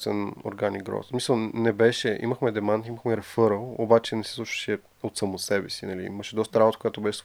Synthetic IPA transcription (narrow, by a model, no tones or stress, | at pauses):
sɛ̰no̰ɾɡaniɡɾɔ̰smisəlˠnɛbɛʃɛʔḭməxmɛd̪ɛmant̪iməxmɛɾɛfɤɾəlˠo̰bat͡ʃɛnɛsislˠuʃə̥ʃɛ | ot̪sɐmosɛbɛsinɐlḭiməʃɛd̪ɔst̪əɾabot̪əkojat̪obɛʃɛ̥t̪